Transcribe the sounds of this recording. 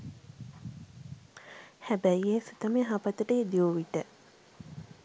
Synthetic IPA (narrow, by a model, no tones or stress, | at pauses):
hæbæjesit̪əmeɦapət̪əʈəed̪ioʋiʈə